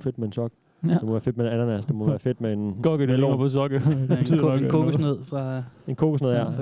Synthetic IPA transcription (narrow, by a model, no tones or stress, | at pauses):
fe̝d̥̚mee̝nsɒɡ̥̚ | emɒʋæːɐfe̝d̥meenænɐnæsd̥emɒʋæːɐfe̝d̥̚mee̝nɡ̥ɒɡ̥əd̥elo̰nɐpʰɒ̽s̬ɒ̽ɡ̥ə | kʰoɡneð̰ˠfʁɑ̈e̝nkʰoɡ̥osne̝ðˠæ̰